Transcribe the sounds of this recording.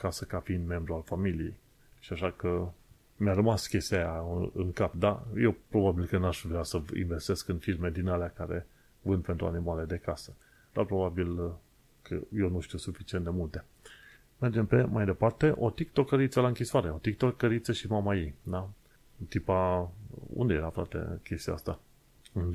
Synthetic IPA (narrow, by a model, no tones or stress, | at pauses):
kasəkafiind̪me̞mbɾualfamilije̞̰j | ʃiaʃakə | mjarəmaskʲe̞st̪ʲeajaɨ̰ŋkap̚d̪a̰jewpɾo̞babilkənaʃvɾeasəḭnve̞st̪e̞skɨnfirme̞d̪inalakaɾe̞̰ | vɨnpent̪ɾua̰nimale̞d̪e̞kasə | d̪arpɾo̞babil | kʰə̰jewnuʃt̪iuwsufit͡ʃient̪d̪e̞mult̪e̞ | me̞rd͡ʒe̞mpe̞majd̪epart̪e̞ʔo̞t̪ikt̪o̞kːəɾit̪səlaɨŋkʲiswaɾe̞o̞t̪ik̚t̪okːəɾit̪səʃimamajid̪a | t̪ipa | ṵnd̪ejeɾafɾa̰t̪e̞̰kʲe̞st̪iast̪a | ɨn